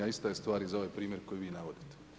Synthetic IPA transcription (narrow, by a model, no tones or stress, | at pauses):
aist̪ajest̪ʋaːɾizaoajpɾiːmʲjeɾko̞jiʋiːnaʋo̞d̪it̪e̥